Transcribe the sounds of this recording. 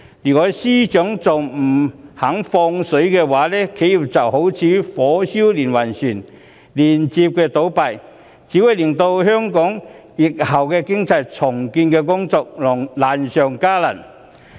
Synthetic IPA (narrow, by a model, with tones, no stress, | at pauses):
liː˨˩kɔː˨˥siː˥t͡ʃœː˨˥ŋt͡sɐ˨wm̩˨˩hɐ˨˥ŋfɔː˧ŋsɵ˨˥ɥkɛː˧waː˨˥lɛː˥kʰe˨˥ji˨˩p̚t͡sɐ˨˩who˨˥wt͡sʰiː˨˥fɔː˨˥siː˥wliː˨˩nwɐ˨˩nsyː˨˩n | liː˨˩nt͡siː˧p̚kɛː˧t̪o˨˥wpɐ˨˩j | t͡siː˨˥wu˨˧˥jlɪ˨˩ŋt̪o˧whœː˥ŋkɔː˨˥ŋ | jɪ˨k̚hɐ˨˩wkɛː˧kɪ˥ŋt͡sɐ˧jt͡sʰʊ˨˩ŋkiː˧nkɛː˧kʊ˥ŋt͡sɔː˧k̚lɔ˨˩ŋlaː˨nsœː˨ŋkaː˥lɐ˨˩n